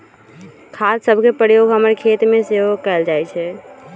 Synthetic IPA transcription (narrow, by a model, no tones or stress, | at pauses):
kʰadsəbʱkepɾəjoɡʱɦəməɾkʰet̪meseɦokɛld͡ʒajt͡ʃʰɛ